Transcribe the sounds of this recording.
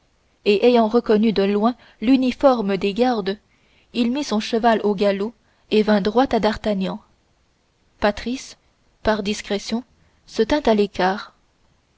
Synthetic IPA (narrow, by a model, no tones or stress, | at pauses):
eʔejɑ̃ʁəkɔnyd̪əlwɛ̃ | lynifɔʁməd̪eɡaʁd̪ | ilmisɔ̃ʃəvaloɡalo | evɛ̃d̪ʁwat̪ad̪aʁt̪aɲɑ̃ | pat̪χis | paʁd̪iskχɛsjɔ̃ | sət̪ɛ̃t̪alekaːʁ